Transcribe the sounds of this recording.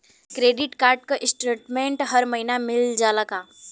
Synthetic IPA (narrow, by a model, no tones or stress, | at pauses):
kɾeːɖɪʈkaːɾʈ̚koʔɪsʈɾiʈmẽɳʈɦɐɾmɐɦinamɪld͡ʒaːlakaː